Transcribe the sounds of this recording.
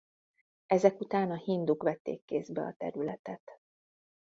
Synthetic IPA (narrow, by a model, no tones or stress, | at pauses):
ɛzɛkut̪aːnɒhind̪ukʋɛt̪ːḛːkːeːzbɛɒ̰t̪ɛ̰ɾylɛt̪ɛt̪